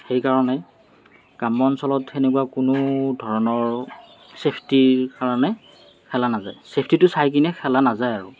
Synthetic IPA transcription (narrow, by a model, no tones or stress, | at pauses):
xejkaɹɔnɛ | kamɔnsɔlɔtenekuwakʊnʊdʱɔɹɔnɔɹ | sepʰtiɹkaɹɔnɛ | kʰɛlanazajsepʰtitʊsajk̬inɛkʰɛlanazajaɹu